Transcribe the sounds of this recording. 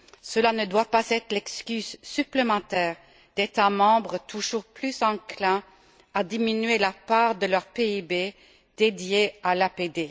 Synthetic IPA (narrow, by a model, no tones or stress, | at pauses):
səlanəd̪wapazɛt̪χəlɛkskʲyzsyplemɑ̃t̪ɛːʁ | d̪̥et̪amɑ̃bʁət̪ʰuʒuʁplyzɑ̃klɛ̃ | ad̪iminyɥelapaːʁd̪əlœʁpeibe | d̪̥ed̪jealaped̪e